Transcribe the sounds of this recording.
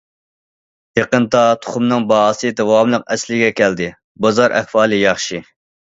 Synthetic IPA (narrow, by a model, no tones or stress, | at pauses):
jeqənt̪ɑt̪ʰʊ̥χumnɨŋbɑɦɑːsɨd̪ɛwɑmlˠəqɛslɪɡʲɛkʲʰɛld̪ɪ | bɑzɑɾʔɛ̰χfɑːlˠɨjɑχʃi